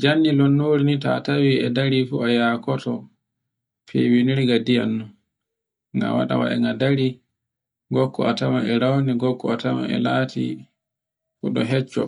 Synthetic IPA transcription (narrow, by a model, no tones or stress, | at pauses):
d͡ʒanːilɔnːoːɾinita̰tawiɛdaɾifuajakɔtɔ | pʰḛwiniɾiɡadijanːɔ | ŋɡa̰wa̰ɗa̰wa̰ʔɛ̰ŋɡadaɾi | ɡɔkːɔ̰atamaʔɛɾawniɡɔkːɔatama̰ɛ̰laːtʰḭ | fuɗɔɦɛt͡ʃːɔ̰